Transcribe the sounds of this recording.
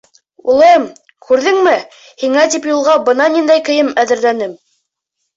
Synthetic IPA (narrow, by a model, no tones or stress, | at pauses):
ulˠɤm | kʰʉɾðɘŋmɘ | hiŋæt̪ipjulˠʁɑbɤ̆nɑnind̪æjkɘ̆jɘmæðɘ̆ɾlænɘm